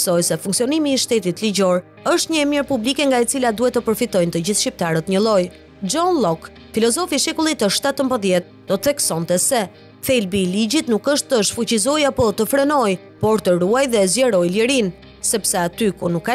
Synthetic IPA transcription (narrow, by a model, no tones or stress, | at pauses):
sɔjsɛfuŋksiɔnimiːʃt̪ɛt̪it̪lid͡ʑɔɾ | əʃt̪ɲəɛmjɛɾpublikɛŋɡait͡silad̪uhɛt̪ːəpəɾfit̪ɔjnt̪əɟiθʃcip̚t̪aɾət̪ɲəlˠɔj | d͡ʒɔnlɔk | filɔzɔfiʃɛkulˠit̪əʃt̪at̪əmbəðjɛt̪̚d̪̥ɔt̪əθɛksɔnt̪ɛsɛ | θɛlbiːliɟit̪nukəʃt̪ːəʃfut͡ɕizɔjapɔt̪əfɾɛnɔj | pɔɾt̪əɾuajðɛzjɛɾɔjləɾin | sɛpsaat̪ykunukːa